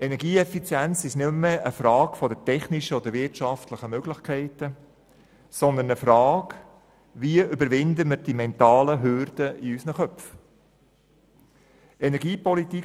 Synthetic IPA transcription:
ɛnɛɾɡiːɛfit͡sjænt͡sɪʃnʏmːəəfɾɑːkfɔd̪ətɛχniʃəɔd̪əʋɪrtʃɑftləχəmøɡ̥lɪχkʰɛɪtə | sɔnd̪ənəfɾɑːɡ | ʋiəʔʏbəɾʋɪndəməɾd̥imɛnt̪ɑːləɦørd̥əiysnəχœpf | ɛnɛɾɡiːpɔliti

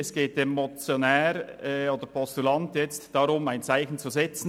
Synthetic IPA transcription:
ɛsɡ̥eːt̚demot͡sjonɛːɾoːd̥əɾpʰɔstulɑntjɛt͡std̥ɑɾʊmaɪnt͡saɪçn̩t͡suzɛt͡sn̩

